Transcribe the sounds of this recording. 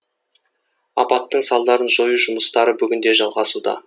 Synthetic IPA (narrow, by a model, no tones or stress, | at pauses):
ɑpɑt̪ːəɴsɑlˠd̪ɑɾənʒo̞juʒʊməst̪ɑɾəbʏɡʲɪnd̪e̞ʒɑlˠʁɑsud̪ɑ̰